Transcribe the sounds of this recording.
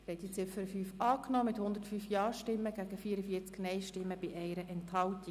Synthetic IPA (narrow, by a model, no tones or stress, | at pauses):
ɾɛt̪it͡sɪfəɾfyːfɑːknɔːmɪt̪hʊnd̥̪ətfyːfjɑːɾʃtɪmːəɡæɡ̥əfiːəɾəfiːt͡sknɛɪʃtɪmːəb̥ɪʔɛɪɾəʔɛnthɑlt̪ɪ